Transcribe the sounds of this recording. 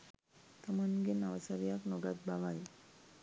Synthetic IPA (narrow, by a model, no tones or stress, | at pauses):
t̪amənɡenaʋasaɾijaknɔɡat̪̚baʋaj